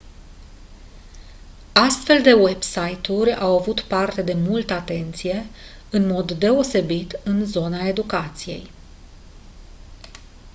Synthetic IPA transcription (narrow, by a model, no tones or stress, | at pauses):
ast̪fe̞ld̪e̞we̞bsajt̪uɾʲawavut̪part̪e̞d̪e̞mult̪əat̪e̞nt̪sije̞ | ɨnmo̞d̪ːe̞o̞se̞bit̪ɨnzo̞nae̞d̪ukat̪sije̞̰j